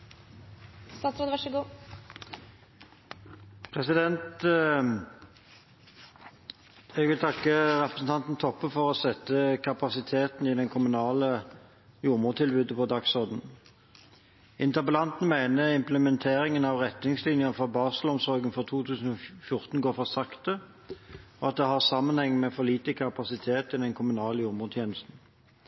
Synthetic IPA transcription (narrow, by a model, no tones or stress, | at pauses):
st̪ɑːt̪sɾoːd̪ʋæʂəɡuː | pʰʁɛsɪd̪ɛnt̪ | ɛɡʋɪlt̪ʰɑkːəʁɛpʁəsn̩t̪ʰɑnt̪n̩t̪ʰɔpːəfɔʁosɛt̪ːəkʰɑpɑsɪt̪ʰeːt̪n̩id̪ɛŋkʰʊmʉnɑːlə | juːʁmuːʁt̪ʰɪlbʉːd̪əpʰɔd̪ɑksɔʁd̪n̩ | ɪnt̪əbəlɑnt̪n̩mæɪnəɪmpləmɛnt̪ʰeːʁɪŋənɑʋʁɛt̪nɪŋslɪnjəfɔʁbɑːʁsəlɔmsɔʁɡənfɔʁt̪ʰuːt̪ʰʉːsn̩ɔfjʊʁt̪n̩ɡoːʁfɔʁsɑkt̪ə | ɔɑt̪̚d̪ɛhɑʁsɑmːənhɛŋːmɛfɔliːt̪əkʰɑpɑsɪt̪ʰeːt̪ɪd̪ɛnkʰʊmʉnɑːləjuːʁmuːd̪t̪ʰjeːnəst̪n̩